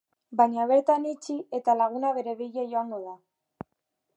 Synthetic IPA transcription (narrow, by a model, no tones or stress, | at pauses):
baɲaβ̞e̞ɾt̪anit͡ʃie̞t̪alaɣ̞unaβe̞ɾe̞βiʎejoaŋɡo̞ða